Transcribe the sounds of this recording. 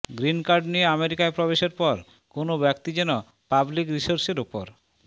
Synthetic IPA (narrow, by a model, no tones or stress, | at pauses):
ɡɾinkaɾɖnijeameɾikaepɾɔbeʃeɾpɔɾ | konobɛk̚t̪id͡ʑɛno | pablikɾisoɾseɾupo̰ɾ